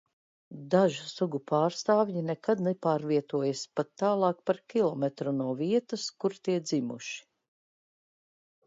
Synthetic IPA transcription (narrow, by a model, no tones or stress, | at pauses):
d̪aʒusuɡupaːɾst̪aːvjinɛkad̪nɛpaːɾviɛt̪uɔjaspat̪ːaːlˠɑːk̚paɾkʲilˠɔmɛt̪ɾunuɔviɛt̪əskuɾt̪iɛd̪zimṵʃi̥